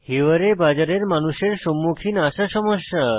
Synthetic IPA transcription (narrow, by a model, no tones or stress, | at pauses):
hiʋəɾebad͡ʒaɾeɾmanuʃeɾsɔmːukʰinaʃaʃɔmɔʃja